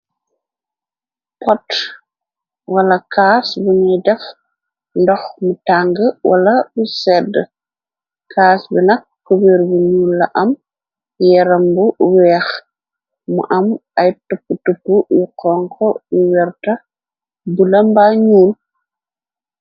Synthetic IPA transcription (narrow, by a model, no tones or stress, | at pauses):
pɔt | wɐlɐkaːsbuɲɛjdɛf | ndɔxmutaŋɡəwʔɐ̰lɐbusɛdə | kʰaːsbinɐkːɔbiɾbuɲuːlːɐʔɐm | jɛɾɐmbuwɛːx | mṵʔɐmɐjtupːutupːujuqɔŋkʰɔjuwɛɾtɐ | bulɐmbaɲuːl